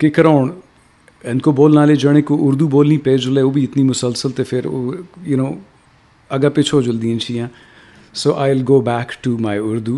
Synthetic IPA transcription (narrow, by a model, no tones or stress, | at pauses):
kɪkɾoːɳ | ɛ̃nkoboːlnaːled͡ʒəɽ̃ẽkoʔʊɾd̪uboːlnipeːd͡ʒʊleoːbʱiɪt̪nimʊsəlsəlt̪efɪɾo̰ːjʊnõː | ɐɡapet͡ʃʰoːd͡ʒʊld̪iẽnt͡ʃʰiːãː | soːʔaːɪlɡoːbɛːkʈumaːɪʊɾd̪uː